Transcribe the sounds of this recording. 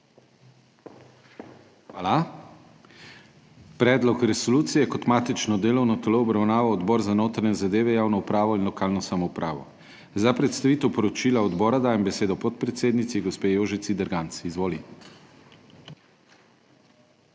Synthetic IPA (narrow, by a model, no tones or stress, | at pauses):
xʋaːla | pɾɛːd̪lɔkɾɛsoluːt̪sijɛkɔt̪maːt̪it͡ʃnɔd̪eːlɔwnɔt̪ɛloɔbɾawnaːʋawɔd̪bɔːɾzanoːt̪ɾanɛzad̪eːʋɛjaːwnɔupɾaːʋɔinlɔkaːlnɔsamɔupɾʔa̰ːʋɔ̰ | zapɾɛt̪st̪aʋiːt̪ɛwpɔɾɔt͡ʃiːlaɔd̪bɔːɾad̪aːjɛmbɛseːd̪ɔpɔt̪̚pɾɛt̪seːd̪nit̪siɡospeːjoːʒit̪sid̪ɛɾɡant̪sizʋoːli